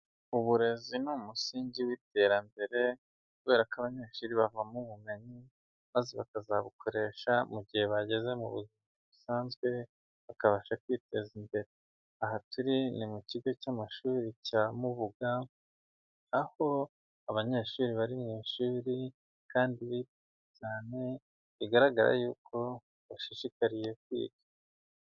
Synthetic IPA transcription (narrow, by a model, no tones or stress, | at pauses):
uβuɾe̞zinumusiːɲɟiwiːte̞ːɾambe̞ɾe̞ | kuβe̞ːɾakaβaɲe̞ːʃuːɾiβavamuβume̞ɲi | maːzeβa̰kazaβukʰo̞ɾe̞ʃamuɟihe̞βaɟe̞ze̞mṵβṵzimiβusaːnzɡwe̞ | βakaβaʃakwiːte̞zimbe̞ɾe | ahatuɾinimuciɡo̞camaʃuːɾicamuβuɡa | aho̞ | aβaɲe̞ːʃuːɾiβaɾimŋiːʃuːɾi | kaːndiβiti | ecaːne̞ | βiɡaɾaɡaɾa̰juːkʰo̞ | βaʃiʃikaɾije̞k̚wḭːɡḁ